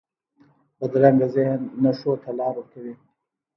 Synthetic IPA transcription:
pəd̪ɾaŋɡazɪhnːaʂot̪ʰalɑːɾəkawi

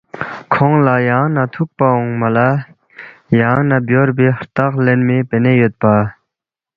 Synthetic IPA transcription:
kʰoŋlajaŋnat̪ʰuk̚paɦoŋmala | jaŋnabjorpeht̪aχlenmepenejøt̪̚pa

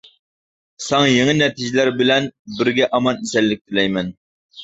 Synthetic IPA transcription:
sɑŋjeŋɪnɛt̪ʰɪʒɪlæɾbɪlɛnbɪɾɡʲɛʔɑmɑnisɛlːɪk̚ʲt̪ʰɪlɛjmɛn

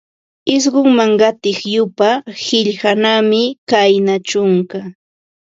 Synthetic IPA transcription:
ɪs̬ɢʊŋmaŋɢɑt̪ɪχjʊpahɪʎhanamɪkajnat͡ʃʊŋka

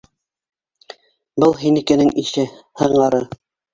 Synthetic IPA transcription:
bɤlˠɦinikɘ̆nɘŋiʃɘhɤ̆ɴɢɑɾɤ

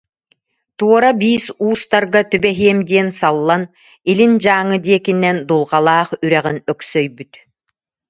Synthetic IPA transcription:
t̪uɔɾabiːsuːst̪aɾɡat̪ybɛɦiɛmd̪iɛnsalˠːan | ilind͡ʑaːŋɯd̪iɛkinːɛnd̪ulˠʁalˠaːχyɾɛʁinœksœjbyt̪

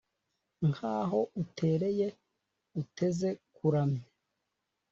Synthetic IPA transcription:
ŋhaːɦo̞utʰe̞ːɾe̞je | ute̞ze̞kuɾame

